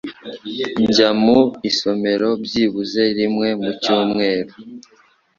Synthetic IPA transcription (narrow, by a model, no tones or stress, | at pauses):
ɲɟamuiso̞me̞ɾo̞bjiːβuze̞ɾimŋe̞mucuːmŋe̞ːɾo